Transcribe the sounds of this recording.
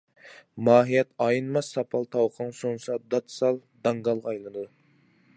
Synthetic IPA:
mɑːɦijɛt̪ɑjɨnmɑsːɑpʰɑlˠt̪ʰɑwqʰəŋsonsɑd̪ɑt̪sɑlˠd̪ɑŋɡɑlˠʁɑjlˠɨd̪ɨ

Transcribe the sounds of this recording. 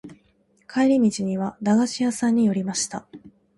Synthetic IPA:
kʰaeɾʲimʲit͡ɕiɲ̟iβ̞ad̪aɡaɕijasãɲ̟ːijo̞ɾʲimaɕi̥t̪a

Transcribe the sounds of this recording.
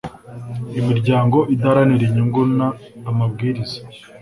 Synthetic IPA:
imiɾɟaːŋɡo̞ʔidaɾaniɾiɲuŋɡunaːmabɡiːɾizḁ

